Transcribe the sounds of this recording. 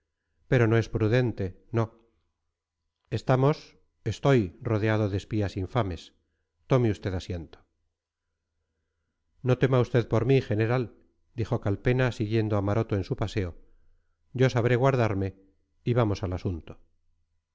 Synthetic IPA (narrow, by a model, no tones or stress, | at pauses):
pe̞ɾo̞no̞e̞spɾuðe̞nt̪e̞ | no̞ | est̪amo̞s | e̞st̪o̞jro̞ð̞eaðo̞ðespiasiɱfame̞s | t̪o̞meust̪e̞ðasjent̪o | no̞t̪e̞maust̪e̞ðpo̞ɾmiχe̞ne̞ɾal | d̪ixo̞kalpe̞nasiɣje̞nd̪oamaɾo̞t̪oe̞nsupase̞o | ɟ͡ʝo̞saβ̞ɾe̞ɣwaɾð̞aɾme̞ | iβamo̞salasunt̪o̥